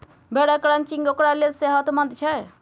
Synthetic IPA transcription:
beɽakɽant͡ʃiŋɡokɽalelseɦət̪mɐnd̪t͡ʃʰɛ

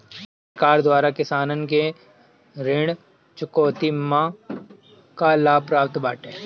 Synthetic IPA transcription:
pɾkaːɾd̪waːɾakɪsaːnənke | ɾɪɽ̃ | t͡ʃʊkoːt̪imã | kalaːpɾaːpt̪baːʈeː

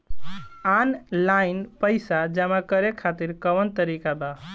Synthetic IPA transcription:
anlainpəɪsad͡ʒəmakəɾekʰat̪iɾkəʋənt̪əɾikaba

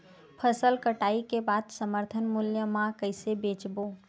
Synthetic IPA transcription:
pʰəsəlkəʈaikebad̪səməɾt̪ʰənmuljəmãkəɪsebet͡ʃbo

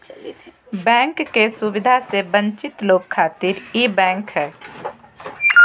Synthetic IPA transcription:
bɛ̃ːŋkːesʊwɪd̪ʱasebə̃ɲt͡ʃɪt̪loːɡ̚kʰːaːt̪ɪɾibɛ̃ːŋkɦɛː

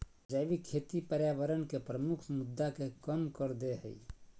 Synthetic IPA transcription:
d͡ʒəʋikʰeːt̪ipəɾjaːʋəɾənkepɾəmʊkʰmʊd̪ːakekəmkəɾd̪eɦə̰ḭ

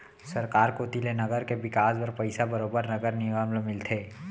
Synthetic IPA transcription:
sɐɾkaːɾkot̪ilenɐɡəɾkeʋɪkaːsbɐɾpɐɪsabɐɾoːbəɾnɐɡəɾnɪɡamlmɪlt̪ʰeː

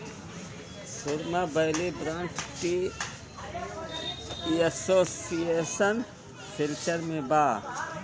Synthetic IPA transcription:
sʊɾmabəɦlebɾãːnʈki | iəsoːsijeːsən | fɪlʈəɾmẽbaː

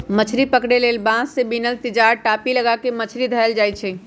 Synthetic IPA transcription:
mət͡ʃʰɾipəkɽelelbãssebinəlt̪ɪd͡ʒaɾʈapiləɡakemət͡ʃʰɾid̪ʱəəld͡ʒajt͡ʃʰɛ

